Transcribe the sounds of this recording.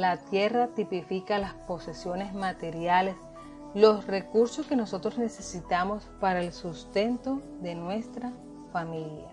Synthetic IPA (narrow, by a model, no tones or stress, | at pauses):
lat̪je̞rat̪ipifikalaspo̞se̞sjo̞ne̞smat̪e̞ɾjale̞s | lo̞sre̞kuɾso̞ske̞no̞so̞t̪ɾo̞sne̞se̞sit̪amo̞spaɾaelsust̪e̞nt̪o̞ | ðe̞nwe̞st̪ɾa | familja̰